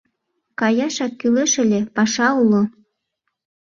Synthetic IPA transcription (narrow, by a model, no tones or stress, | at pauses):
kɑjɑʃɑkːyleʃə̆lʲĕpɑʃɑulo